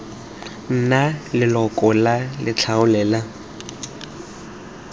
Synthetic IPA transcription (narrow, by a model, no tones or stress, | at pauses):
n̩nalɪlɔkʼɔlalɪt͡ɬʰaʊlɛːla